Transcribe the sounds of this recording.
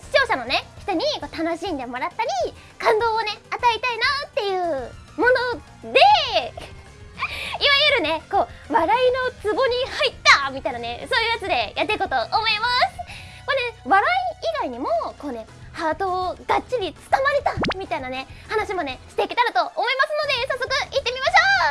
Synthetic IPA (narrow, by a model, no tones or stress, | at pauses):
ɕi̥t͡ɕo̞ːɕano̞ne̞çi̥t̪o̞ɲ̟iko̞ːt̪ano̞ɕĩnd̪e̞mo̞ɾat̪ːaɾʲi | kãnd̪o̞ːone̞at̪ait̪ainat̪ːe̞jɯ̟ːmo̞no̞ | d̪e̞ | iβajɯɾɯ̟ne̞ko̞ːβaɾaino̞t͡sɨbo̞ɲ̟ihait̪ːamʲit̪ainane̞so̞ːjɯ̟ːjat͡sɨd̪e̞jʔat̪ːe̞iko̞t̪o̞ʔomo̞imasɨ̥ | ko̞neβaɾaiiɡaiɲ̟imo̞ko̞ːne̞ | haːt̪o̞ːɡatɕiɾʲit͡sɨ̥kamaɾʲit̪amʲit̪ainane̞hanaɕimo̞ne̞ɕi̥t̪e̞kʲit̪aɾat̪o̞ʔomo̞imasɨno̞d̪e̞sasːo̞kɯ̟ʔit̪ːe̞mʲimaɕo̞ː